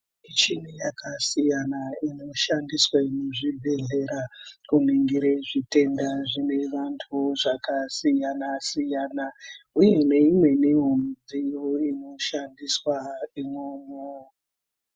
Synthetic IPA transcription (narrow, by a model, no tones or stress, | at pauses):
it͡ʃinijakʰasijanaino̞ʃandiswainoʐibʱe̞ɮe̞ɾakuniŋɡiɾeʐite̞ndaʐine̞ʋantʰuʐakasijanasijanauje̞ne̞imwe̞niɦond͡zijoino̞ʃandiswaimwomo